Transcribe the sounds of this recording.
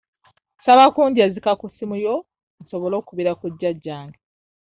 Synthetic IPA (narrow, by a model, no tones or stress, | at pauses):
saβakuːɲɟieːzikakusimujo̞ | n̩so̞βo̞lo̞ːkuβiɾakuɟːaɟːaːŋɡe